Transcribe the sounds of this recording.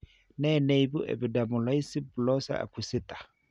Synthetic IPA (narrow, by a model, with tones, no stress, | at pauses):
nɛ˦˨nɛ˦˨i˨bu˦ʔɛ̰˨bi˨da˨mʊ˨la˦i˦si˦bu˨lɔ˦sa̰˦a̰˨ku˨sɪ˦tḁ˨